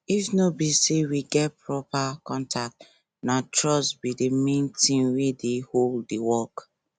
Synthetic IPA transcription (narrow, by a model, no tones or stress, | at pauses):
ifnobisewiɡɛt̚pɹɔpakɔ̃ntʰak̚t | natɹɔsbidemẽntĩnwedeholddiwɔk